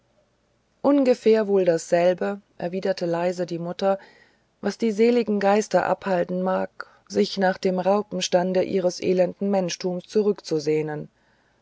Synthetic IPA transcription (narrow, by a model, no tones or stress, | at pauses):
ʔʊnɡəfeːɐvoːldasz̥ɛlbəʔɛɐviːdɐtʰəlaɪzədiːmʊtɐ | vasd̥iːzeːlɪɡŋ̩ɡaɪstɐʔa̰phaltn̩maːk | z̥ɪçnaːχd̥eːmʁaʊpm̩ʃtandəʔḭːʁ̞əsʔḛːlɛndn̩mɛnʃtʰuːmst͡suʁʏkt͡suzeːnən